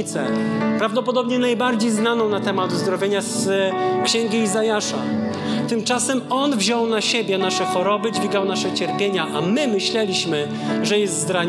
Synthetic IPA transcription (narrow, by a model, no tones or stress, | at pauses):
t̪sɛ̰pɾavd̪ɔpɔd̪ɔbɲɛnajbaɾd͡ʑejznanɔ̃w̃nat̪ɛmat̪uzd̪ɾɔvʲjeɲaskɕɛŋɡʲiizajaʂa̰ | t̪ɘmt͡ʂasɛmɔnvʑɔwnaɕebʲjɛnaʂɛxɔɾɔbɘd͡ʑvʲiɡawnaʂɛt͡ɕɛɾpʲjeɲaʔamɘmɘɕlɛlʲiɕmɘ | ʐɛjɛst̪zd̪ɾa